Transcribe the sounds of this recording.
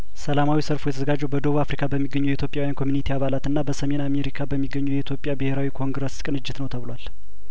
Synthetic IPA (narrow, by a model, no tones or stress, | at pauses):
səlamawisəɾfujɛt̪ʰəzəɡad͡ʒːɛwbəd̪o̞βuafɾikʰabəmːiɡːəɲːujɛit̪ʰjo̞pʼjawjankʰo̞mjunit̪ʰiaβalat̪ɨnːabəsəme̞name̞ɾikʰabəmːiɡːəɲːujɛit̪ʰjo̞pʼːjabɨhe̞ɾawikʰo̞ŋɡɾəskʼɨnɨd͡ʒːɪt̪nəwt̪ʰəβɨlwal